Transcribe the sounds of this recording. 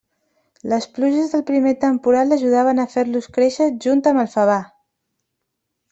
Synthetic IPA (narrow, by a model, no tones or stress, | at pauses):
ləspluʒəzðəlˠpɾimet̪əmpuɾaləʒuð̞aβ̞ənəfeɾluskɾeʃəʒunt̪əməlˠfəβ̞a